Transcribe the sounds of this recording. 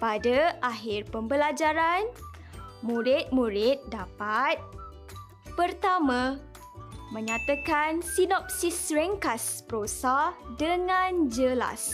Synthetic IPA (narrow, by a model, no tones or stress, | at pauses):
padaaɦɪrpəmbəlad͡ʒaɾan | mũɾit̪̚mũɾɪt̪̚dapat̪̚ | pərt̪amã | mə̃ɲãt̪akansinɔp̚sisrɛŋkaspɾosadəŋãnd͡ʒəla̰s